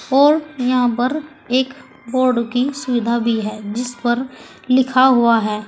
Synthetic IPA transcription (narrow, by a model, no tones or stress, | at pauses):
ɔːɾjɐɦãp̬ɐɾ | eːk | boːɾɖkisʊʋɪd̪ʱabʱiɦɛːd͡ʒɪspɐɾ | lɪkʰaɦuaɦɛː